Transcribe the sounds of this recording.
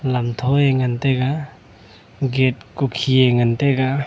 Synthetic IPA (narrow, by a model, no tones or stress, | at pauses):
lamtʰɔeŋanteɡa | ɡet̚kukʰieŋanteɡa